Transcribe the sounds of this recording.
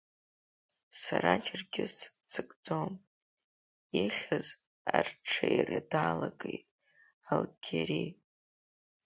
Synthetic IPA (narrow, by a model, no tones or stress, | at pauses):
saɾat͡ʃʰʼɪrɡʲɪsɨ̥t͡sʰɨkʼd͡zom | iχʲaz | arʈ͡ʂʰajirɨdaːlaɡejtʼ | alɡʲʰeɾi